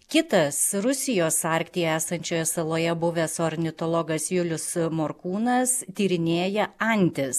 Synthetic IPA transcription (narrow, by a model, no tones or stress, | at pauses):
kʲɪt̪ɐsɾʊsʲɪjoːsɑːɾʲkt̪ʲɪjɛæːsɐnʲt͡ʃʲoːjɛsɐlˠoːjɛbʊʋʲɛsoɾʲnʲɪt̪olˠɔɡɐsʋʲʊlʲʊsmoɾkuːnɐst̪ʲiːɾʲɪnʲeːjɛɐˑnʲt̪ʲɪs